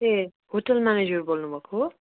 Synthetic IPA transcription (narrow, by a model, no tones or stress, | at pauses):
e | hoʈʌlmaned͡ʒʌɾbolnubʱʌkʰo